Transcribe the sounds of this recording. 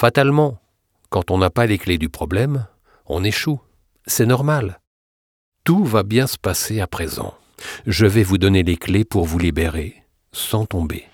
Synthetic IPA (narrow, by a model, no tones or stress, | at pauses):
fat̪almɑ̃ | kɑ̃t̪ɔ̃napalekled̪ypχɔblɛm | ɔ̰̃neʃu | sɛnɔʁmal | t̪uvabjɛ̃sə̥paseapχezɑ̰̃ | ʒəvɛvud̪ɔneleklepuʁvulibeʁe | sɑ̃t̪ɔ̃bḛ